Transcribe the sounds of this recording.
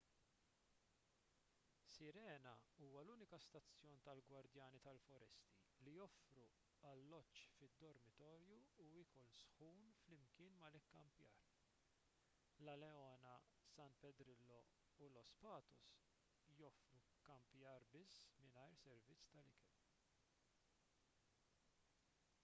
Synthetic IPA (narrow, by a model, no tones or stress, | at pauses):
sɪɾɛːnɐuːwɐluːnɪkɐst̪ɐt͡sːjɔːnt̪ɐlɡwɐɾd̪jɐːnit̪ɐlfɔɾɛst̪ilijɔfɾu | ɐlːɔt͡ʃːfɪd̪ːɔɾmɪt̪ɔːɾjuuiːkɔlsħuːnflɪmkɪːnmɐlɪkːɐmpjɐ̰ːɾ | lɐlɛɔːnɐ | sɐnt̪pɛd̪ɾɪlːɔ | ulɔspɐːt̪ɔs | jɔfɾu | kːɐmpjɐːɾbɪsːmɪnɐjɾsɛɾvɪt͡sːt̪ɐlɪkɛl